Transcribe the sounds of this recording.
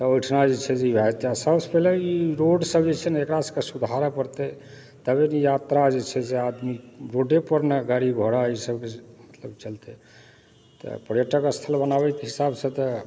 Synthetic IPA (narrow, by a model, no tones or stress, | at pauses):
t̪ɔojʈʰnad͡ʒet͡ʃʰɛd͡ʒeibʱajt̪easəbspɛleiɾoɖsəbd͡ʒet͡ʃʰɛnekɾasəkesud̪ʱaɾəpəɾt̪e | t̪əbenijat̪ɾad͡ʒet͡ʃʰɛd͡ʒead̪miɾoɖepəɾneɡaɾiɡʱoɽaisəbkemət̪ləbt͡ʃəlt̪e | t̪ɔ̰pəɾjəʈəkəst̪ʰəlbənaβɛt̪eɦisabsət̪ɔ